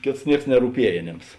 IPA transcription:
ˈkʲeːts ˈnʲiɛks nʲɛruːˈpʲiɛj ɐˈnʲeːms

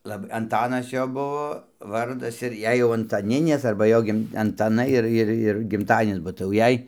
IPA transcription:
ˈlˠɐp ɐnˈtɑːnɐs ˈjoː buɔ ˈʋɐrdɐs ɪr ˈjɛɪ jɛʊ ɐntɐˈnʲɪnʲeːs ɐrbɐ ˈjoː ˈɡʲɪm ɐntɐˈnɐɪ ˈɪr ˈɪr ɪr ɡʲɪmˈtɑːdʲiɛnʲɪs bɐ tɐɪ jɛʊ ˈjɛɪ

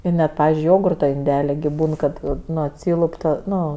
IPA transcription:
ɪ ˈnʲɛt ˈpɑːʋʲɪzʲd͡ʒʲʊɪ ˈjoːɡʊrtoː ɪnʲˈdʲæːlʲɪ ɡʲɪ ˈbuːn kɐt ˈnʊ ˈɑːtʲsʲiːlˠʊp ˈtɐ ˈnʊ

